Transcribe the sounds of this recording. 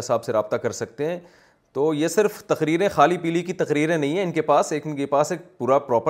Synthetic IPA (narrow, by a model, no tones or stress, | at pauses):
ɪsaːbseɾaːb̚t̪akɐɾsɐk̚t̪eɦɛ̃ː | t̪oːjesɪɾft̪ɐqɾiːɾẽxaːlipiːlikit̪ɐqɾiːɾẽnɐɦĩɦɛ̃ɪnkepaːseːknkepaːseːk̚puːɾapɾɔːpə